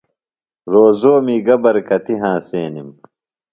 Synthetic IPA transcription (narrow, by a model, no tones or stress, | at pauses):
ɾoːzoːmiːɡɐbɐɾkɐt̪iɦãːseːnim